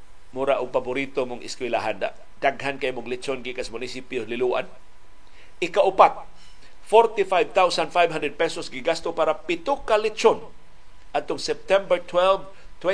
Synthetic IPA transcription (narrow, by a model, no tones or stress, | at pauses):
mʊɾaʔʊɡ̚pabʊɾit̪omʊŋʔɪ̰skwɛlaɦand̪a̰ʔ | d̪̥aɡɦankaʔimʊɡlɪt͡ʃonɡɪkasmʊnɪsipjolɪluʔa̰n | ʔɪkaʔʊpat̪̚ | foɾt̪ifajvt̪awsanfajbhandɛd̚pɛsosɡɪɡast̪opaːɾapɪt̪ʊkːalɪt͡ʃon | ʔad̪̚t̪ʊŋsɛp̚t̪ɛmbɛɹt̪ʰwɛlv | t̪wɛ